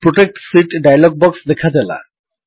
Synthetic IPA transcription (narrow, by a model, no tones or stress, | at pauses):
pɾoʈek̚ʈsiʈɖajalɔɡ̚bɔksd̪ɛkʰad̪ɛla̰